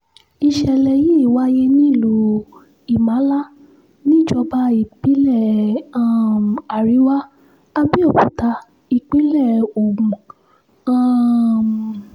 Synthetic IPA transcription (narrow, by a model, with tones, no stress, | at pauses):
i˧ʃɛ˧˨lɛ˧ji˦i˦˨wa˦je˦nĩ˦i˦˨lo˧˦ | i˨mã˨˦la˦ | nĩ˦˨d͡ʒɔ˧ba˧˦i˨k͡pi˨˦lɛ˦˨ã˦˨m˨a˨ɾi˨˦wa˦ | a˧bi˦ɔ˦˨bũ˨ta˧˦ | i˨k͡pi˨˦lɛ˦˨o˨ũ˨ũ˨ | ã˦˨m˨